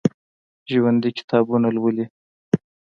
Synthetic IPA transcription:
ʒwand̪ikɪ̥t̪ʰɑbunalwəli

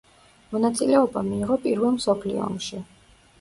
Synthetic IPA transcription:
mɔnat̪sʼilɛɔbamiːʁɔpʼiɾvɛlˠmsɔpʰlḭɔ̰ːmʃi

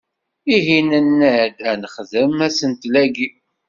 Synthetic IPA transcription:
iɦinənːəʕd̪ænəχðəmæsənt̪læɡi

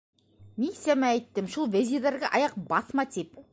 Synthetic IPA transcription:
misæmææjt̪ːɪmʃulˠvezʲid̪ɑɾɡʲɑʔɑjɑq̚bɑsmɑt̪ʰep̚

